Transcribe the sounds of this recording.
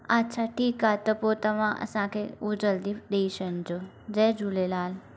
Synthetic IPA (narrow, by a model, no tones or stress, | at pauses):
atːt͡ʃʰaʈʰikat̪əpot̪əmã̰sãkʰeud͡ʒəld̪ifɗ̪eiʃənd͡ʒo | d͡ʒəjd͡ʒulelaːl